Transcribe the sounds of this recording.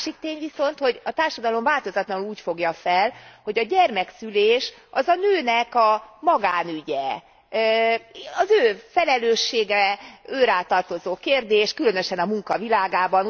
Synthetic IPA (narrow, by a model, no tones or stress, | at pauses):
ʃik̚t̪eːɲviso̞nt̪ho̞ɟɒt̪aːrʃɒd̪ɒlo̞ɱvaːlt̪o̞zɒt̪lɒluːcfo̞ɡjɒfɛlho̞ɟɒɟɛrmɛksyleːʃɒzɒnøːnɛkɒmɒɡaːnyɟɛ | ɒzøːfɛlɛløːʃːeːɡɛøːɾaːt̪ɒrt̪o̞zoːkeːrd̪eːʃkylø̞nøʃɛnɒmuŋkɒvilaːɡaːbɒn